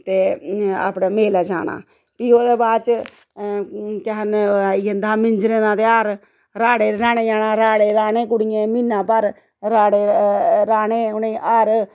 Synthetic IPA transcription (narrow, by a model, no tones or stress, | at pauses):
t̪eːa̰ːpnaːmeːlaːd͡ʒa̰ːna̰ː | piːoːd̪eːbaːd̪t͡ʃ | kɛɦənjənd̪aːmɪɲd͡ʒɾẽːnãːt̪eaːɾ | ɾaːɽeːɾaːnẽːd͡ʒaːnãːɾaːɽeːɾaːnẽːkʊɽijẽːmɪnːãːpəɾ | ɾaːɽeːɾaːnẽːʊnẽːʔaːɾ